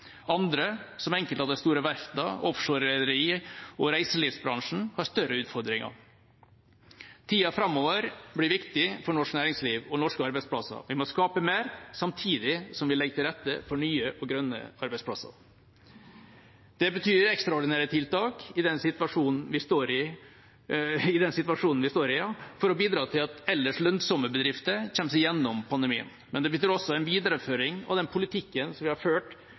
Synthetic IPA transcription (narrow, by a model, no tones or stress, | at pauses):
ɑnd̪ɾəsɔmɛŋkəlɑd̪ɛst̪uːɾəʋæɾft̪ɑʔɔfʂoːɾɛd̪əɾiːɔɾæɪsəliːʋsbɾɑŋʂn̩hɑʂt̪œɾəʉːt̪fɔɾd̪ɾɪŋɑ̰ | t̪ʰiːɑfɾɑmːɔːʋəɾbɽɪʋɪkt̪ɪfɔɳɔʂknæːɾɪŋsliːʋɔnɔʂkəɑɾbɛɪspʰlɑsɑ̰ʋɪmɔskɑːpəmeːɾsɑmt̪ʰiːd̪ɪsɔmʋɪlɛɡət̪ʰɪlɾɛt̪ːə̰fɔɳyːəʔɔɡɾœnːə̰ɑɾbɛɪdspʰlɑ̰sɑ̰ | d̪̥ɛbət̪ʰyːɾɛkst̪ɾɑɔɖɪnæːɾət̪ʰɪlt̪ɑːkɪd̪ɛnsɪt̪ʋɑʂuːnn̩ʋɪst̪oːɾɪ | ɪd̪ɛnsɪt̪ʋɑʂuːnn̩ʋɪst̪oːɾɪfɔɾɔbiːd̪ɾɑːt̪ʰɪlɑt̪ɛlːəʂɭœnsɔməbəd̪ɾɪft̪əçɛmːsɪjɛnːɔmpʰɑnd̪ɛmiːə̰n | mɛnd̪ɛbət̪ʰyːɾɔsːɔæɪnʋiːd̪ɑɾəføːɾɪŋɔ̰d̪ɛnpʰʊlɪt̪ʰɪkːənsɔmʋɪhɑɾføːʈ